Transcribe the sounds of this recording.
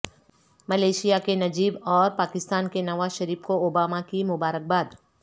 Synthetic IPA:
mɐleːʃijakenɐd͡ʒiːbɔːɾpaːkɪst̪aːnkenɐʋaːzʃɐɾiːfkooːbaːmakimʊbaːɾək̚baːd̪

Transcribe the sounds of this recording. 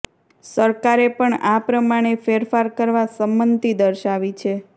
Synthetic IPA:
səɾkaɾepəɳapɾəmaɽ̃efeɾfaɾkəɾʋasəmbənt̪id̪əɾʃaʋit͡ʃʰe

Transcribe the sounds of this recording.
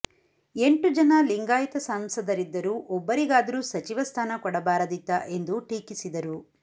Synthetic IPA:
e̞ɳʈud͡ʒɐnɐliŋɡaːjt̪ɐsaːmsɐd̪ɐɾid̪ːɐɾuʔɔbːɐɾiɡaːd̪ɐɾuːsɐt͡ʃiʋɐst̪ʰaːnɐkɔɽɐbaːɾɐd̪it̪ːɐʔe̞nd̪uʈiːkisid̪ɐɾu

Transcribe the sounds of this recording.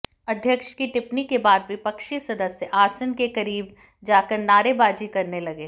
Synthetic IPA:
ɐd̪ʱjəkʃkiʈɪpnikebaːd̪ʋɪpəkʃisɐd̪əsjəʔaːsənkekɐɾiːb | d͡ʒaːkəɾnaːɾebaːd͡ʒikɐɾnelɐɡeː

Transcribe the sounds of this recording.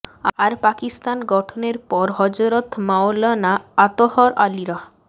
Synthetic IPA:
aɾpakist̪anɡɔʈʰɔneɾpɔɾɦɔd͡ʒoɾɔt̪ʰmawlɔnaːt̪ohɔɾʔaliɾɔ

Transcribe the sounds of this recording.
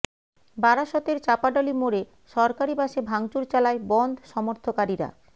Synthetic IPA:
baɾaʃɔt̪eɾt͡ɕapaɖɔlimoɾe | ʃɔɾkaɾibaʃebʱaŋt͡ɕuɾt͡ɕalaebɔnd̪ʱʃɔmoɾt̪ʰokaɾiɾa̰

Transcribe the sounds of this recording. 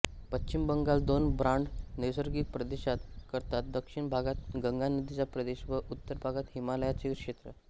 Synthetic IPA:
pət͡ɕːt͡ɕimbəŋɡald̪onbɾaɳɖniwsəɾɡiːpɾəd̪eɕat̪kəɾt̪at̪̚d̪əkʂiɳbʱaɡat̪ɡəŋɡanəd̪it͡ɕjapɾəd̪eɕʋəʔut̪ːəɾbʱaɡat̪ɦimaləjat͡ɕekʂet̪ɾə

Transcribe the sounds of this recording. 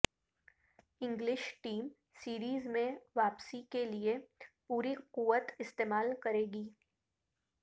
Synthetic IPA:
ɪ̃ŋɡlɪʃʈiːm | siːɾiːzmẽʋaːpsikeliepuːɾiquʋət̪ɪst̪eːmaːlkɐɾeːɡiː

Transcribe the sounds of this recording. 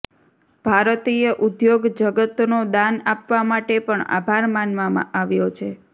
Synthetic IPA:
b̥ʱaɾt̪ijəʔud̪joɡd͡ʒəɡət̪nod̪anapʋamaʈepəɳa̰bʱaɾmanʋamã̰ʔaʋjot͡ʃʰe

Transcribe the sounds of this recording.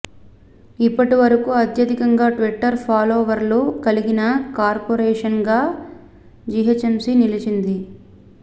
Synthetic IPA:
ipːɐʈiʋɐɾɐkuɐt̪ʰjɐd̪ikɐŋɡaːʈʋiʈːɐɾpʰaːloːʋɐɾlukɐliɡinɐkaːɾpoɾɛːʂɐnɡaː | d͡ʒiɦɐt͡ʃemsinilit͡ʃind̪i

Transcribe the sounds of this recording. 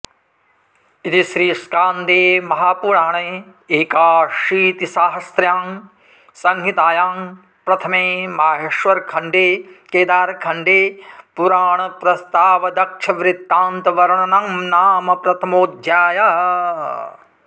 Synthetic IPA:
it̪iʃɾiːskaːnd̪eːmɐɦaːpuɾaːɳɐe | eːkaːʃiːt̪isaːɦɐsɾjaːŋ | sɐŋɦit̪aːjaːŋ | pɾɐt̪ʰɐmeːmaːɦeʃʋɐɾkʰɐɳɖeːkeːd̪aːɾkʰɐɳɖeːpuɾaːɳɐpɾɐst̪aːʋɐd̪ɐkʂʰɐʋɾɪt̪ːaːnt̪ɐʋɐɾɐɳɐnaŋnaːmɐpɾɐt̪ʰɐmoːd̪ʱjaːja

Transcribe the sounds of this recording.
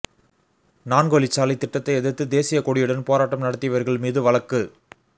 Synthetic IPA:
naːnɡoːlit͡ʃːaːliɪt̪ːɪʈːɐt̪ːɐɪɛðɐt̪ːɯd̪eːsɪjɐkɔɽɪjɯɽɐnpoːɾaːʈːɐmnɐɽɐt̪ːɪjɐʋɐɾɣɐɭmiːðɯʋɐɭɐkːɯ

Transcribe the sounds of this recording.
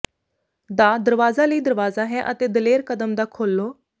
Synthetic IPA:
d̪aːd̪əɾʋaːzaːləiːd̪əɾʋaːzaːɦɛːʔət̪eːd̪əleːɾkəd̪əmd̪aːkʰoːlːoː

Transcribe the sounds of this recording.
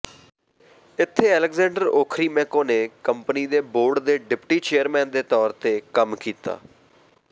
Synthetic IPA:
ɪt̪ʰːeːɛːləkzɛ̃ːɳɖəɾoːkʰɾiːmɛ̃ːkõːneːkəmpəniːd̪eːboːɾɖd̪eːɖɪpʈiːt͡ʃeːəɾmɛ̃ːnd̪eːt̪ɔːɾt̪eːkəmkiːt̪a̰ː

